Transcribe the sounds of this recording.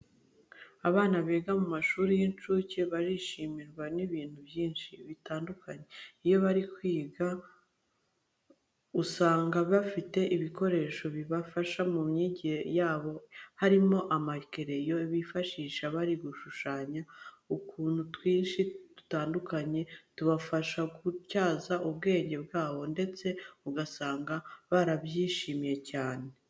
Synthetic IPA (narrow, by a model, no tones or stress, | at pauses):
aβaːnaβeːɡamumaʃuːɾijint͡ʃuːceβaɾiʃimiɾɡwaniβiːn̥huβjiːnʃiβitaːndukaɲeijo̞βaɾikwiːɡa | usaːŋɡaβafite̞ʔiβiko̞ɾe̞ːʃo̞βiβafaʃamumɲiɟihejaːβo̞haɾimo̞ʔamake̞ɾe̞jo̞iβifaʃiːʃaβaɾiɡuʃuʃaːɲa | ukuːn̥hutwiːnʃitu̥taːndukaɲe̞tuβafaʃakucaːzaʔuβ̚ɡe̞ːɲɟe̞bɡaːβo̞nde̞t͡se̞uɡasaːŋɡaβaɾaβjiːʃiːmje̞caːnee̞